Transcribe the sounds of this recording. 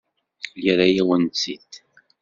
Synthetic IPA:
liɾæjiwənt͡sːit̪

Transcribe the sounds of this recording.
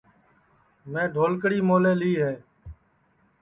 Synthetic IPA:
mɛ̃ːɖʱoːlkɽiːmoːleːliːɦeː

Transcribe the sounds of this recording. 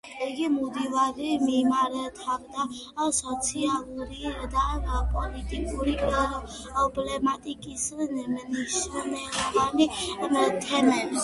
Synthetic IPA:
iɡimud̪ivaɾimimaɾɛt̪ʰabd̪a | sɔt̪sʰialˠuɾid̪apʼɔlit̪ʼikʼuɾia | ɔblɛmat̪ʼikʼisnmniʃnɛvanimt̪ʰɛmɛ

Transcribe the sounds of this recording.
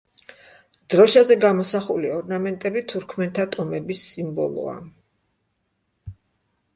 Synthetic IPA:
d̪̥ɾɔʃazɛɡamɔsaχuliɔɾnamɛnt̪ʼɛbit̪ʰuɾkʰmɛnt̪ʰat̪ʼɔmɛbisːimbɔ̰lˠɔ̰a̰

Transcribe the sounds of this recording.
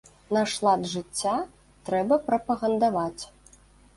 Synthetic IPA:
nɐʂlˠad̪ʐɨt͡sʲːa | t̪ɾɛbɐpɾɐpɐɣɐnd̪avat͡sʲ

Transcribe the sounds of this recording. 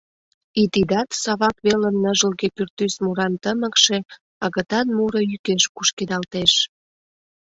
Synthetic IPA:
it̪id̪ɑt̪sɑβɑkβeləmnəʒəlɣepyrt̪ysmuɾɑnt̪əməkʃe̽ | ɑɣə̆t̪ɑnmuɾəjykeʃkuʃked̪ɑlt̪eʃ

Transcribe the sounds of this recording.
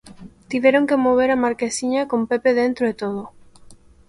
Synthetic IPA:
t̪iβeɾoŋkemoβ̞eɾamaɾkesiɲakompepeðent̪ɾoet̪oðo

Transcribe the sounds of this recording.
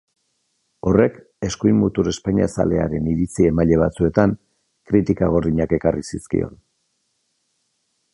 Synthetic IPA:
o̞re̞k | e̞skujmut̪uɾe̞spaɲiasa̰le̞a̰ɾe̞niɾit͡sie̞maʎe̞β̞a̰t͡sue̞t̪aŋ | kɾit̪ikaɣ̞o̞riɲake̞karisiskḭo̞̰n

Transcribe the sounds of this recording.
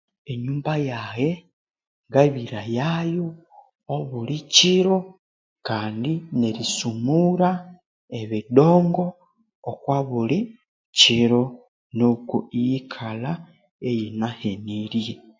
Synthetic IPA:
e̞ɲuːmbajaje | ŋɡaβiɾajajo | oβuliciɾo | kaːndineɾisumuɾa | eβido̞ːŋɡo̞ː | kwaβuli | ciɾo̞ | nokuijikʰala | ejinaheniɾije

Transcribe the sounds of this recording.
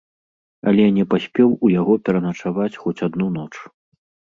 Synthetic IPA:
ɐ̰lʲɛnʲɛpasʲpʲɛwujaɣɔpʲɛɾɐnɐt͡ʂavat͡sʲxɔt͡sʲad̪nunɔt͡ʂ

